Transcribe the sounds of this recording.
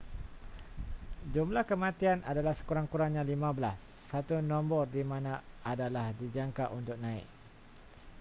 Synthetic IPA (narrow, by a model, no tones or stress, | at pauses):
d͡ʒumlahkəmãt̪ianadalahsə̥kuɾaŋkuɾaŋɲãlimãbəlasːat̪unɔ̃mbɔrdimãnãadalahdid͡ʒaŋkaʔunt̪ʊk̚nãɪ̰k̚